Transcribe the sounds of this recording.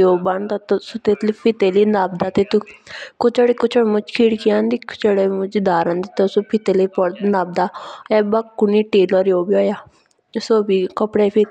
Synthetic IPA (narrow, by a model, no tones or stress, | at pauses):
oːbaɳt̪at̪sot̪et̪lipʰɪt̪eliːnaːb̚d̪aːt̪et̪ukʊt͡ʃəɽikʊt͡ʃʰəɽmʊt͡ʃkʰiːɽkiãːnd̪iːkʰʊ̥t͡ʃəɽemʊd͡ʒd̪aːɾãːnd̪it̪ɔsopʰɪt̪eliːpɔɽnaːb̚d̪aːɛbakːuniːʈiːlɔːɾjoːbiɔːjaː | soːbiːkəpɽepʰit̪